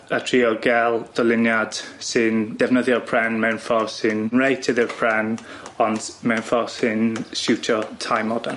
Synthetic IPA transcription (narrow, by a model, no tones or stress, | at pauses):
ətʰriːɔɡɛlˠd̥ɔlɪnjad̥sɪnd̥ɛvnəðjɔpʰr̥ɛnmɛwnfɔsɪnnɹejtʰəðɪɹpʰɹ̥ɛn | ɔndmɛwnfɔsɪnʃutʰɔtʰajmɔdan